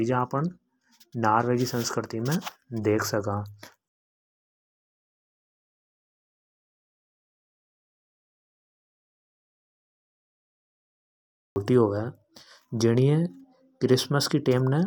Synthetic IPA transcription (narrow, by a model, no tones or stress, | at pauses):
id͡ʒaːpəɳ | naːɾʋeːɡisə̃nskɾɪt̪imẽd̪eːkʰsɐkãː | oːʈiɦoːɡəɛ | d͡ʒɪɽ̃iẽ | kɾɪsməskiʈeːmnẽ